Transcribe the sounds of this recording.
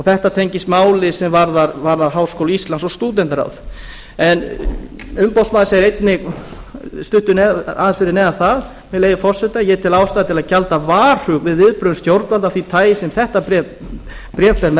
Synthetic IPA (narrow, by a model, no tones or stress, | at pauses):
ɔθɛht̪at̪ʰejɲcɪst̪maːwlɪsɛmvaɾðaɾvaɾðaɾɦaːwskowlist̪lansɔst̪uːt̪̬ɛnt̪aɾa̰wð | ɛn | ʏmpɔwst̪maːðɪseːjɪɾejt̪nɪɣ | st̪ʏht̪ʏnɛa̰ðɪnsfɪɾɪnɛːðaθað | mɛleːjðʏfɔr̥sɛht̪ajɛt̪ʰɪlaːwst̪aːðɪt̪ʰɪlaðcalt̪avaːr̥hʏkvɪðvɪðpɾœðʏmst̪jowɾt̪valt̪afθit̪ʰaːjɪsɛmθɛht̪apɾ | pɾjɛːfpɛɾmɛ